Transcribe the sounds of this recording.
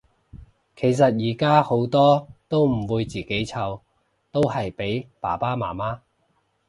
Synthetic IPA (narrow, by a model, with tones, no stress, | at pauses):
kʰe˨˩js̬ɐ˨t̚jiː˨˩kaː˥ho˨˥wt̪ɔː˥t̪o˥wm̩˨˩wuː˨˧jt͡siː˨ke˨˥jt͡sʰɐ˨˧w | t̪o˥whɐ˨jpe˨˥jpa̰ː˨˩paː˥maː˨˩maː˥